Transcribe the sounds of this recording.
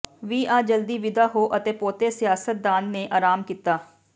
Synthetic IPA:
ʋiːʔãːd͡ʒəld̪iːʋɪd̪aːɦoːʔət̪eːpoːt̪eːsɪjaːsət̪̚d̪aːnːeːʔaːɾaːmkiːt̪aː

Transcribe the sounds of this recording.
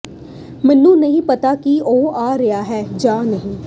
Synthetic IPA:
mɛ̃nːũːnəɦĩːpət̪aːkioːaːɾɪaːɦɛːd͡ʒaːnəɦĩː

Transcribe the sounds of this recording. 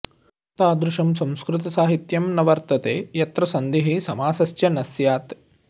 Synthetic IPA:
t̪aːd̪ɾuʃɐmsɐ̃w̃skɾɪt̪ɐsaːɦit̪jɐmnɐʋɐɾt̪ɐt̪eːjɐt̪ɾɐsɐnd̪iɦisɐmaːsɐsjɐnɐsjaːt̪

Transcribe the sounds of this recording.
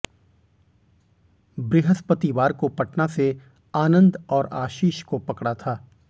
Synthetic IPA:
bɾeːɦəspət̪iʋaːɾkopɐʈnase | aːnə̃nd̪ɔːɾaːʃiːʃkopɐkɽat̪ʰaː

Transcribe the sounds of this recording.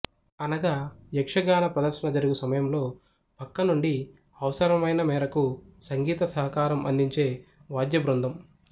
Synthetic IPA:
ɐnɐɡaːjɐkʂɐɡaːnɐpɾɐd̪ɐɾʃɐnɐd͡ʒɐɾuɡusɐmɐjɐmlo̞ː | pɐkːɐnuɳɖi | ɐʋɐsɐɾɐmɐjnɐmɛːɾɐkusɐŋɡiːt̪ɐsɐɦɐkaːɾɐmɐ̰nd̪iɲt͡ʃe̞ːʋaːd̪jɐbɾund̪ʱɐm

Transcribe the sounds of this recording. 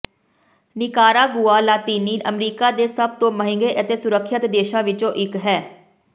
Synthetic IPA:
nɪkaːɾaːɡʊaːlaːt̪iːniːʔəmɾiːkaːd̪eːsəb̚t̪õːməɦɪ̃ŋɡeːʔət̪eːsʊɾəkʰːət̪d̪eːʃãːʋɪt͡ʃõːʔɪkɦɛː

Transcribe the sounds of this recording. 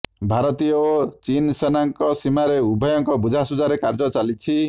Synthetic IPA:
bʱaɾɔt̪iot͡ʃinsenaŋkɔsimaɾeubʱɔjɔŋkɔbud͡ʒʱasud͡ʒaɾekaɾd͡ʒɔt͡ʃalit͡ʃʰi

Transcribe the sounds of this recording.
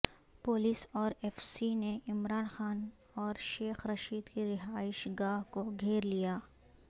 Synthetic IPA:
poːliːsɔːɾɛfsineɪmɾaːnxaːn | ɔːɾʃeːxɾɐʃiːd̪kiɾɪɦaːɪʃɡaːɦkoɡʱeːɾlijaː

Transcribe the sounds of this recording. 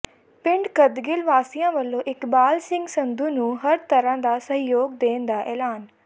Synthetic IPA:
pɪɳɖkəd̪ɡɪlʋaːsijãːʋəlːõːʔɪkbaːlsɪ̃ŋɡsənd̪uːnũːɦəɾt̪əɾãːd̪aːsəɦjoːɡ̚d̪eːnd̪aːʔɛːlaːn

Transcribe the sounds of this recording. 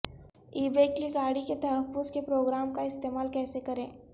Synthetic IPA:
iːbeːkliɡaːɽiket̪ɐɦəfːʊzkepɾoːɡɾaːmkaɪst̪eːmaːlkɛːsekɐɾẽː

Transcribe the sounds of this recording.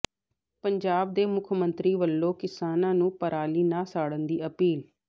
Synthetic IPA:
pəɲd͡ʒaːb̚d̪eːmʊkʰmənt̪ɾiːʋəlːoːkɪsaːnãːnũːpəɾʔaːliːnaːsaːɽənd̪iːəpiːl

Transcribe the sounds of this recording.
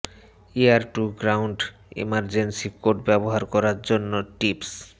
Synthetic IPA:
iaɾʈuɡɾawɳɖ | ḛmaɾd͡ʑensikoɾʈbɛboɦaɾkɔɾaɾd͡ʑonːoʈips

